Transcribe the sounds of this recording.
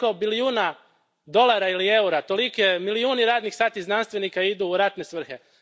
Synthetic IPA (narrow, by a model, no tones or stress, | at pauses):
o̞biliuːna | d̪o̞lˠaɾailie̞uɾat̪o̞like̞miliuːniɾaːd̪nixsaːt̪iznanst̪ʋe̞nikaid̪uːɾat̪ne̞sʋr̩xe̞